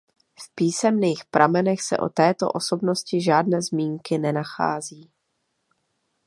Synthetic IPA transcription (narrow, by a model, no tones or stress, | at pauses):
fpiːsɛmniːxpɾʔamɛnɛxsɛ̰ʔo̞̰t̪ɛːt̪o̞̰ʔo̞so̞bno̞scɪʒaːdnɛːzmiːŋkɪnɛnaxa̰ːziː